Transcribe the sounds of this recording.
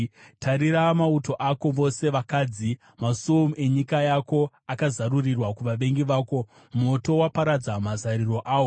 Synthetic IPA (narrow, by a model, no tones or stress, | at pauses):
tʰaɾiɾamauto̞ʔako̞ʋo̞se̞ʋakaːd͡zi | masume̞ɲikajako̞ | akazarurirwakuʋaʋe̞ŋɡiʋaːko̞ | mo̞to̞wapaɾad͡zamazaɾiro̞ʔaːwo